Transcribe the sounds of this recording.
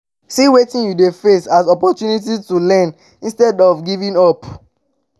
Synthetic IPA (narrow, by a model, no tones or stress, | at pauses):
siwetĩnjudefesasɔpɔtjunit̬itulɛ̃n | ĩnstɛdɔvɡivĩnɔp